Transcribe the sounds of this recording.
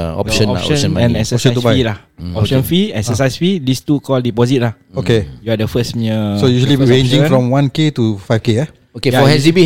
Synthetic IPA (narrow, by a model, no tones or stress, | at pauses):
ɔ̰ʃə̃nɔ̰ə̃nə̃ɛ̃nɛksəɔʃə̃tubailah | ɔpʃə̃nfiɛksəs̬ajsfidistukɔldipɔzit̚lah | okejuadəfəsmiəsojuʒəliɹẽnd͡ʒĩŋfɹɔ̃mwãnketufajfkeɛ | okejaɔhɛsibi